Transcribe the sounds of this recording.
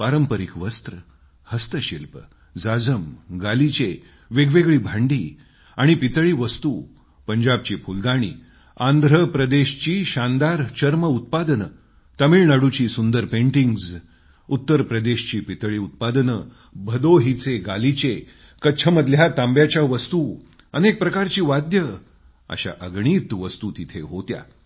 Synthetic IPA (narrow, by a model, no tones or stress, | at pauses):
paɾəmpəɾikʋəst̪ɾə | həst̪əɕilpə | d͡zad͡zəmɡalit͡ɕe | ʋeɡʋeɡɭiːbʱãɳɖiː | aɽ̃ipit̪ɭiːʋəst̪u | pəɲd͡ʑab̚t͡ɕiːpʰuld̪aɽ̃ḭː | ãnd̪ʱɾəpɾəd̪eɕt͡ɕiːɕand̪aɾt͡ɕəɾməut̪̚pad̪ənə | t̪əmiːɭnaɽut͡ɕiːsund̪əɾpẽɳʈiŋɡz | ut̪ːəɾpɾəd̪eɕt͡ɕiːpit̪ɭiːut̪̚pad̪nə | bʱəd̪oɦit͡seɡalit͡ɕe | kət͡ɕʰəməd̪ʱljat̪ãmbjat͡ɕjaʋəst̪u | ənek̚pɾəkaɾt͡ɕiːʋad̪jə | ə̰ɕa̰ʔəɡɳ̃iːt̪ʋəst̪ut̪it̪ʰeɦot̪ja̰